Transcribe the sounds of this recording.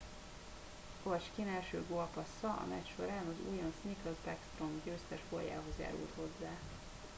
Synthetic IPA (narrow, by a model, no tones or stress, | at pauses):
ɡoɒt͡ʃkinɛlʃøːɡoɒpɒsːɒʔɒ̰mɛcʃo̞ɾaːnɒzuːjɒnsnikɔzbɛkst̪ro̞mɡøːst̪ɛʃfoja̰ːɦo̞zja̰ːɾṵlt̪ho̞zːaː